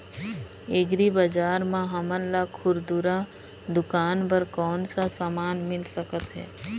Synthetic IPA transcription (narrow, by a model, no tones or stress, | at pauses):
eɡɾibɐd͡ʒaːɾmãɦɐməllakʰʊɾd̪uɾa | d̪ʊkaːnpɐɾkɔːnsasamaːnmɪlsəkət̪ɦɛ̰ː